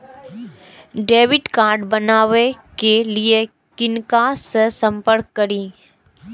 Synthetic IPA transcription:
ɖeːʋɪʈkaːɾɖbɐnaːʋekelie | kɪnkasəsə̃mpəɾkːɐɾiː

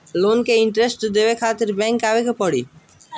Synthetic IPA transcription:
lonkeiɳʈɾesʈd̪ebekʰat̪iɾbɛŋkabekepɔɽi

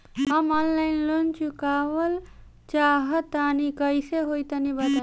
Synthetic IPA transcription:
ɦəmɔnlaɪnlont͡ʃukaʋəl | t͡ʃaɦət̪anikəjseɦojt̪ənibət̪

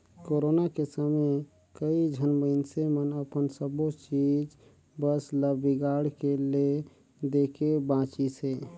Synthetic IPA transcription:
koɾonakesame | kəid͡ʒʱənmənsemənəpənsəbot͡ʃid͡ʒ | bəsləbiɡaɽkele | d̪ekebãt͡ʃise

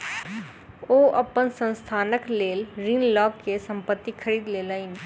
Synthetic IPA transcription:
oːʔɐpənsə̃nst̪ʰaːnəkleːlɾĩːnlɔːkkesɐ̃mpət̪ːikʰəɾiːd̪leːlaːĩn

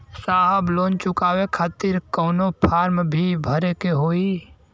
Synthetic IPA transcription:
saːɦəbloːnt͡ʃʊkaːʋekʰaːt̪iɾkoːnopʰaːɾmbʱibʱəɾekeɦoːi

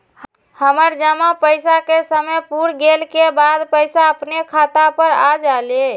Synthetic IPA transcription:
həməɾd͡ʒəmapəjsakesəməjpuɾɡelkebad̪pəɪsaəpnekʰat̪apəɾad͡ʒale

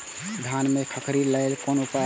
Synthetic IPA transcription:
d̪ʱanmekʰəkɾiləɪlkonupa

